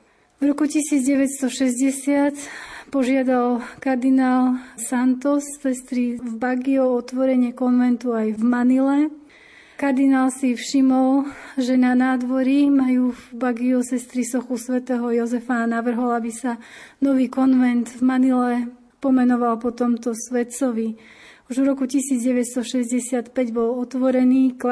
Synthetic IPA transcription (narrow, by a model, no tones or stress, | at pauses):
vɾɔkucisiːd͡zɟɛʋɛt̪st̪ɔʃɛzɟɛsɪat̪pɔʒɪad̪alkaɾd̪inaːlsant̪ɔsːɛst̪ɾivbaɡiɔɔt̪ʋɔɾɛɲɪɛkɔnʋɛnt̪uajvmanilɛ | kaɾd̪inaːlsifʃimɔlʒɛnanaːd̪ʋɔɾimajuːvbaɡiɔsɛst̪ɾisɔxusʋɛt̪ɛːɦɔjɔzɛfanaʋr̩ɦɔlabisanɔʋiːkɔnʋɛnd̪vmanilɛ | pɔmɛnɔʋalpɔt̪ɔmt̪ɔsʋɛt̪sɔʋiuʒvɾɔkucisiːd͡zɟɛʋɛcst̪ɔʃɛzɟɛsɪat̪pɛɟbɔlɔt̪ʋɔɾɛniːk